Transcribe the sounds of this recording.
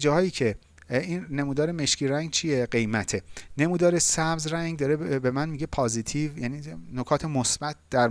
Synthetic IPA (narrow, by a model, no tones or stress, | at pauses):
d͡ʒɒːhɒːjiːcʰe̞ | inːe̞muːd̪ɒːɾeme̞ʃcʰiɾæŋɡt͡ʃʰijeɢe̞jmæt̪ʰene̞muːd̪ɒːɾesæbzræŋɡd̪ɒːɾebe̞mænmiɟe̞pʰɒːzit̪ʰivjæniːnokʰɒːt̪ʰemosb̥æt̪̚ʰd̪̥æɾ